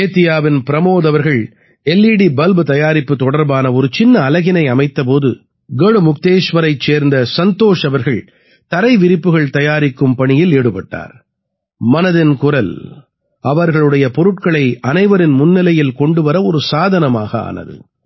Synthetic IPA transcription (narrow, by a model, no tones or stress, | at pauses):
eːt̪ːɪjaːʋɪnpɪɾɐmoːðɐʋɐɾɣɐɭ | ɛlːiːɽibɐlbt̪ɐjaːɾɪpːɯt̪ːɔɽɐɾbaːnɐɔɾɯt͡ʃɪnːɐːlɐɣɪnɐɪɐmɐɪt̪ːɐp̬oːðɯ | ɡɐɽɯmʊk̚t̪eːʂʋɐɾɐɪt͡ʃːeːɾnd̪ɐsɐnt̪oːʂɐʋɐɾɣɐɭ | t̪ɐɾɐɪʋɪɾɪpːɯɣɐɭt̪ɐjaːɾɪkːɯmpɐɳɪjɪleːɽɯpɐʈːa̰ːɾ | mɐnɐðɪnkʊɾɐl | ɐʋɐɾɣɐɭɯɽɐjɐpɔɾɯʈkɐɭɐɪɐnɐɪʋɐɾɪnmʊnːɪlɐjɪlkɔɳɖɯʋɐɾɐɔɾɯsaːðɐnɐmaːɣɐa̰ːnɐ̰ðɯ̰